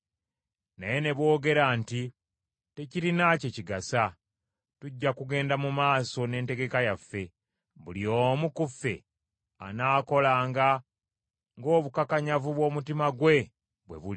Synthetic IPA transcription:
naje̞ne̞βwo̞ːɡe̞ɾaːnti | te̞ciɾinaceciɡasa | tuɟːakuɡe̞ːndamumaːso̞ne̞ːnte̞ɡe̞kajafːe̞ | βuliomukufːe̞̰ | a̰naːko̞laːŋɡa | ŋɡo̞ːβukakaɲavuβwo̞ːmutimaɡwe̞ | βwe̞̰βui

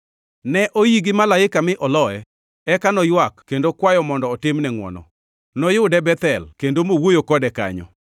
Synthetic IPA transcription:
nɛʔojiɡɪmalaɪkamɪʔɔlɔɛ | ɛkanɔjwakːendokwajɔmɔndɔːtɪmnɛŋwɔ̰nɔ̰ | nɔjʊdɛbɛt̪ɛlkendomowojokɔdɛka̰ɲɔ̰

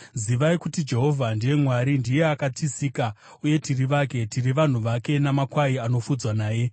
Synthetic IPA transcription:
ziʋaikutid͡ʒe̞ɦo̞vʱandije̞mwaɾindije̞akatʰisiːka | uje̞tiriʋaːke̞tiriʋan̤uʋake̞namakwaiano̞fud͡zwanaːje̞

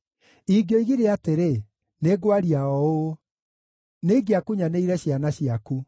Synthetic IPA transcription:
iɡjɔiɣiɾeateɾe | neɡwaɾiaɔo | neɡeakuɲaneiɾɛɕjanaɕiaku

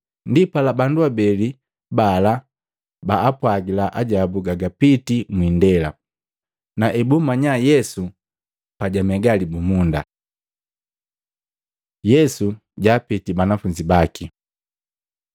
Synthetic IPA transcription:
ndipalabanduabɛli | bala | baːpwaɡilaʔaɟabuɡaɡapitimwindɛla | naʔɛbumaɲajɛsu | paɟamɛɡalibumunda̰ | jɛsu | ɟaːpitibanafuɲd͡ʒibaki

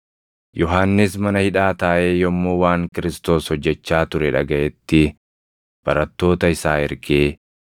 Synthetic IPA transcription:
jɔɦaːnːɪsmɐnɐhɪᶑaːt̪aːʔe̞ːjɔmːoːwaːŋkɪɾɪst̪o̞ːshɔd͡ʒːɛt͡ʃːaːt̪ʊɾɛᶑɐ̰ɡɐʔɛt̪ːɪ | b̥ɐɾɐt̪ːo̞ːt̪ɐɪsaːɪɾɡeː

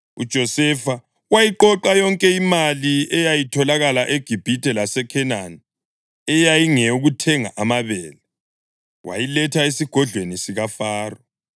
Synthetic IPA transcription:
ṵd̥ʒ̥ʱɔsɛfa | wajiǃɔǃajɔŋkʼɛimaliɛjajitʰɔlaɣalaʔeɡ̥ʱib̥ʱitʰʼɛlasɛkʰɛnani | ɛjajiŋɛuɣutʰɛŋa̰ʔamaβɛːlɛ | wa̰jilɛtʰaesiɡ̥ʱɔɮʱwenisiɣafaːrɔ

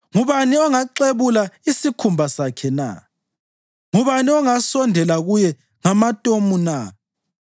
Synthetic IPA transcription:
ŋuβaniɔŋaǃeβulaisikʰumbʱasakʰɛna̰ | ŋuβaniɔŋasɔndʱɛlaɣujɛ | ŋamatʼomuna

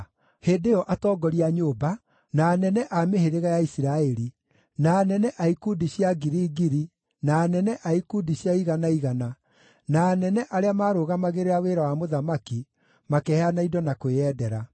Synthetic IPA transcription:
hedeɔʔatɔːɡɔɾiaɲoːba | naːnɛnɛʔameheɾeɣajaisiɾaɛɾi | naːnɛnɛʔaikudiɕjaɡiɾiːɡiɾi | naːnɛnɛʔaikudiɕjaiɣanaiɣana | naːnɛnɛʔaɾeamaːɾoɣamaɣeɾeɾaweɾawamoðamaki | makɛhanaidɔnakoeɛːdɛɾa

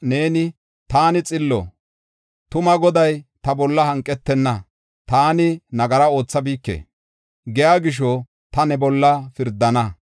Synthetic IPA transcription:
ne̞ːnɪ | t̪aːnɪt͡sʼɪlːɔ̰ | t̪ʊmɐɡɔd̪ɐjt̪ɐbɔlːɐhɐŋkʼːɛt̪ːɛnːɐ | t̪aːnɪnɐɡɐɾɐo̞ːt͡sːɐbiːkːḛː | ɡɛjaːɡɪʃ̬ɔ | t̪ɐnɛbɔlːɐfɪɾd̪ːɐnɐ

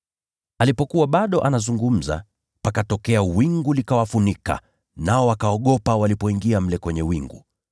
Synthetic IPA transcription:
alipɔkuwaɓaɗɔʔanazuŋɡum̩za̰ | pakatɔkɛawiŋɡulikawafunika̰ | naɔwakaɔɠɔpawalipɔiŋɡiam̩lɛkwɛɲɛwiŋɡu

